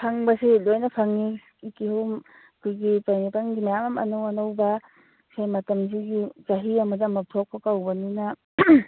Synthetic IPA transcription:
pʰaŋbɐsilojnɐpʰaŋni | ikihum | kʰujɡipajnipanɡimajamɐmɐ̰nowɐnowbɐ | sajmɐtɐms̬iɡizaɦiɐmɐdɐmɐp̚tʰok̚pɐkawbɐninɐ

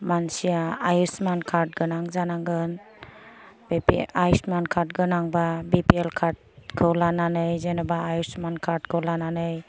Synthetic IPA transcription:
mansijaajusmankʰaɾt̚ɡɯnaŋzanaŋɡɯn | bpajsmankʰat̚ɡɯnaŋbabipielkʰaɾt̚kʰɯwlananɯjzenɔbaːjusmankʰaɾt̚kʰɯwlananɯj

